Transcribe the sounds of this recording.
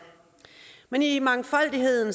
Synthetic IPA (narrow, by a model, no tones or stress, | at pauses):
menimɑ̈ŋfɒ̽l̰d̥iɦe̝ð̰ˠn̩s